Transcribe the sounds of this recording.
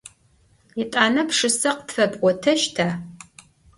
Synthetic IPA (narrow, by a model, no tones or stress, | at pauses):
jɪtʼaːnɐpʂɨsɐqtfɐbʼʔʷɔtʰɐʃtʰaː